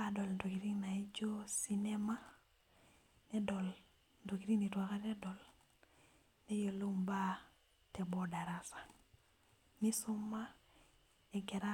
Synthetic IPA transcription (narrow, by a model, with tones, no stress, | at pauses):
a˦dɔ˨lndo˨ki˨ɾi˦ŋna˨i˦d͡ʒo˦si˦nɛ˦ma˦ | nɛ˦dɔ˨l | ndo˨ki˨ɾi˦ŋni˨twa˨ka˦nɛ˦dɔ˨l | nɛ˦jo˨lo˦mba˦ | tɛ˨bɔ˦da˨ɾa˦sḁ˨ | ni˦sʊ˦mːa˦ | ɛ˨ɡɛ˨ɾa˦